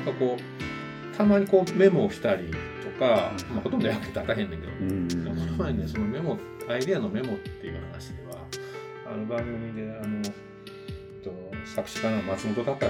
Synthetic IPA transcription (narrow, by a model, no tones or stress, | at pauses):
kako̞ː | t̪ʰamaɲ̟iko̞ːme̞mo̞çʲi̥t̪aɾʲit̪o̞kamaho̞t̪ond̪ojakːai̥t̪at̪ːaɦend̪ẽ̞ŋke̞d̪o̰kamhot̪onːeso̞no̞me̞mo̞ | aid̪e̞ano̞me̞mo̞t̪ːe̞jɯ̟ːhana̰ɕi̥d̪eβa̰ | a̰nɯ̟bãŋɡɯ̟mʲid̪e̞ano̞ | t̪ossakɯ̟̥ɕi̥k̪anamat͡sɨmot̪o̞t̪ak̪a